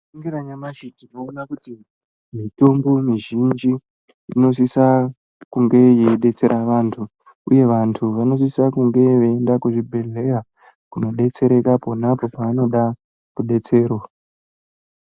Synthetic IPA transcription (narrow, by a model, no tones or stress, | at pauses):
iŋɡiɾaɲamat͡ʃitinoːnakuti | mito̞mbo̞miʒind͡ʒi | ino̞s̬isa | kuŋɡe̞jeɗe̞t͡se̞ɾʔaʋaːntʰu | uje̞ʋantʰuʋano̞s̬isakuŋɡe̞ʋeːndakuʐibʱe̞ɮe̞ra | kuno̞ɗe̞t͡se̞ɾe̞kapo̞napo̞paʋano̞ɗa | kuɗe̞t͡se̞ːɾo